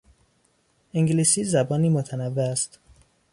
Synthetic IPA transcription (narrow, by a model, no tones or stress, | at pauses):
ʔiŋɡliːsiːzæbɒːniːmot̪ʰænævːeæst̪